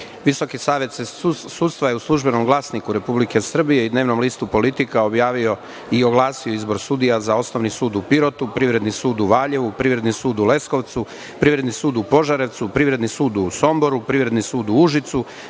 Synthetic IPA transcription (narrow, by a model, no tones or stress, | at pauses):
ʋiso̞kisaːʋjet̪se | suːt̪st̪ʋajeuslˠuʒbe̞no̞mɡlˠaːsnikuɾe̞publike̞sr̩bije̞id̪ne̞ːʋno̞mliːst̪upo̞lit̪ikaobjaːʋio̞ | io̞ɡlˠaːsijoizbo̞ɾsud̪ijazao̞snoʋnisuːd̪upiɾo̞t̪upɾiʋɾe̞d̪nisuːd̪uʋaːʎe̞ʋupɾiːʋɾe̞d̪nisuːd̪ulesko̞ʋt̪su | pɾiːʋɾe̞d̪nisuːd̪upo̞ʒaɾe̞ʋt̪supɾiːʋɾed̪nisuːd̪uso̞mboɾupɾiʋɾe̞d̪nisuːd̪uuʒit̪su